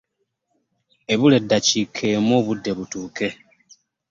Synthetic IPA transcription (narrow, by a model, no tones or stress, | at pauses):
eβule̞dːacikʰːeːmoːβudːe̞βutuːke̞